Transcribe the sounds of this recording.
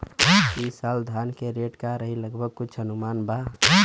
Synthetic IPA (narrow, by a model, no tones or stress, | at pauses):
kisaːld̪ʱankeɾeːʈkaɾəɦiləɡbʱəɡ̚kʊt͡ʃʰɦənumaːnba